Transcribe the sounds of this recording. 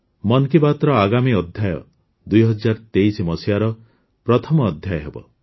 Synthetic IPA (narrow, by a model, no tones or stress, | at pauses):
mɔnkibat̪ɾɔaɡamiɔd̪ʱjajɔ̰ | d̪ujɦɔd͡ʒaɾt̪eisimɔsiaɾɔ | pɾɔt̪ʰɔmɔːd̪ʱjajɔɦebɔ̰